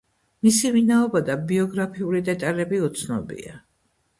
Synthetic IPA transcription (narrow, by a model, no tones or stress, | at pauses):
misivinaɔbad̪abiɔɡɾapʰiulid̪ɛt̪ʼalɛbiut̪sʰnɔ̰bḭa̰